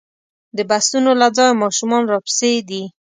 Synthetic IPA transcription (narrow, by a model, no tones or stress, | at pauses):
d̪əbasunolad͡zɑjmɑʃumɑnɾɑpsed̪i